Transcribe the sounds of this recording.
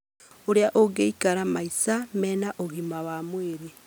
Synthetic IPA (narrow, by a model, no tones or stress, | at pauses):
oɾeaʔoɡeikaɾamaisamɛːnaʔoɣimawaːmweɾe